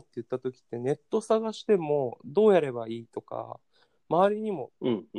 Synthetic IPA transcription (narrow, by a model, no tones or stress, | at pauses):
t̪ːe̞jɯ̟t̪ːat̪o̞kʲi̥t̪ːe̞ne̞t̪ːo̞saɡaɕi̥t̪e̞mo̞d̪o̞ːjaɾe̞baiːt̪o̞ka̰ | maaɾʲiɲ̟imo̞ɯ̃ɴ